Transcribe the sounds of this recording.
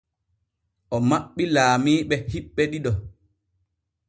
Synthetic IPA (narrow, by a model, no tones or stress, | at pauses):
ʔɔmaɓːilaːmiːɓɛhiɓːɛɗiɗɔ